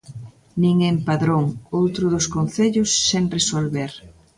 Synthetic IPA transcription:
niŋempaðɾoŋowt̪ɾʊðʊskon̟θeʎʊsːeŋresolβeɾ

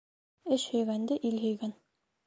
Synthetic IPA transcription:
ɘɕhɵ̆jɡænd̪ɘʔilɦɵ̆jɡæn

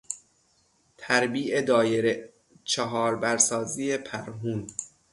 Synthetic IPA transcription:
t̪ʰæɾbiːʔed̪ɒːjeɾe | t͡ʃʰeɦɒːɾbæɾsɒːziːepʰæɾɦuːn

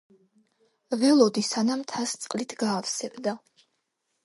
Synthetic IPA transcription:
vɛlˠɔd̪isanamt̪ʰast̪sʼqʼlit̪ʰɡaːfsɛbd̪a

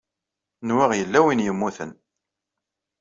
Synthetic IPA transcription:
nwiʁjəlːæwinjəmːuθə̰n

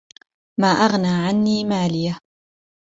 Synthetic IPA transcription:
maːʔaɣnaːʕanːiːmaːlɪja

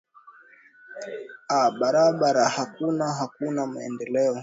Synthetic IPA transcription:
aɓaɾaɓaɾahakunaɦakunamaɛ̰ndɛlɛɔ

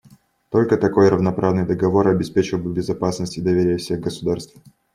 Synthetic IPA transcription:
t̪o̞lʲkət̪ɐko̞jɾəvnɐpɾavnɨjd̪əɡɐvo̞ɾɐbʲɪspʲet͡ɕɪlˠbɨbʲɪzɐpasnəsʲtʲɪd̪ɐvʲeɾʲɪjəfsʲe̞ɣɡəsʊd̪arst̪f

